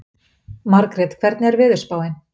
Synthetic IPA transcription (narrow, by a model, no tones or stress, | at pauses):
maɾkɾɛt̪kʰvɛɾt̪nɪɛɾvɪðʏ̥spaːwɪn